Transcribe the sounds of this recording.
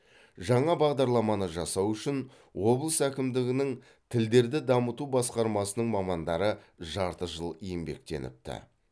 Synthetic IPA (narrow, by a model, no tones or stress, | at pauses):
ʒɑɴɑbɑʁd̪ɑɾlˠɑmɑnəʒɑsɑwʏʃɪn | wo̞blˠəsækʲɪmd̪ɪɡʲɪnɪŋ | t̪ʰɪld̪e̞ɾd̪ɪd̪ɑmət̪ubɑsqɑɾmɑsənəɴmɑmɑnd̪ɑɾə | ʒɑɾt̪əʒəlˠijɪmbe̞̰k̚t̪e̞̰nɪ̰p̚t̪ɪ̰